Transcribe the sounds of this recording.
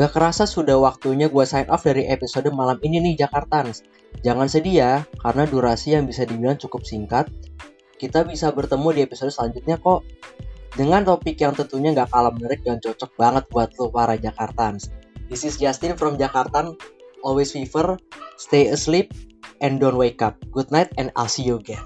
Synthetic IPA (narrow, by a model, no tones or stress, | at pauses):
ŋɡakəɾasasudahwak̚t̪uɲaɡuasajnʔɔfdaɾiʔepisodəmalamininɪhd͡ʒakart̪ans | d͡ʒaŋansədiakaɾənaduɾasijaŋbisadibilaŋt͡ʃukʊp̚siŋkat̪̚ | kit̪abisabərt̪əmudiepisodəsəlaɲd͡ʒut̪̚ɲakɔʔdəŋant̪opɪkjaŋt̪ənt̪uɲaŋɡaʔkalamənəɾɪk̚dəŋant͡ʃot͡ʃɔk̚baŋət̪̚buat̪̚lupaɾad͡ʒakart̪ansd̪isɪsd͡ʒast̪ɪnfɾɔmd͡ʒakart̪anʔɔlwesfifərst̪ejəslip̚ʔɛndɔnwekap̚ɡud̚najt̪̚ɛna̰lsiuɡɛn